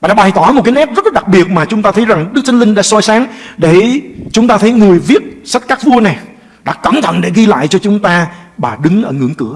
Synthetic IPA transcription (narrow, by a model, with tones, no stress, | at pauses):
aː˨˩a̰ː˧˥ɓa˨˩jt̪ɔ˧˩mo˨˩t̚kaː˨˦jnɛ˦˥p̚zə˦˥t̚laː˨˩ɗa˨˩k̚ɓi˨˩ət̚maː˨˩t͡ɕʊ˨˦ŋ͡mt̪aː˧t̪ʰə˨˦jza˨˩ŋɗɨ˦˥k̚t̪ʰi˧ŋ̟lï˧ŋɗa̰ː˧˥sɔ˧jsaː˨˦ŋɗe˧˩t͡ɕʊ˨˦ŋ͡mt̪aː˧t̪ʰə˨˦jŋɨ˨˩əjvi˦˥ət̚sa˦˥t̚kaː˦˥k̚vu˧əna˨˩j | ɗa̰ː˧˥ka˧˩nt̪ʰə̰˧˨nɗe˧˩ɣi˧la̰ː˧˨jt͡ɕɔ˧t͡ɕʊ˨˦ŋ͡mt̪aː˧ɓaː˨˩ɗɨ˨˦ŋʔəː˧˩ŋɨ̰˧˩əŋkɨ˧˩ə